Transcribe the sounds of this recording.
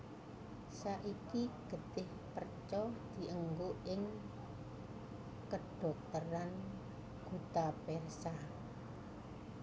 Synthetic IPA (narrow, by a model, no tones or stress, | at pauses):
saʔikiɡ̥ə̤t̪ɪh | pərt͡ʃɔd̪̥i̤ʔəŋɡoʔɪŋ | kəɖ̥ɔ̤k̚t̪əɾan | ɡ̥ut̪apɛrsa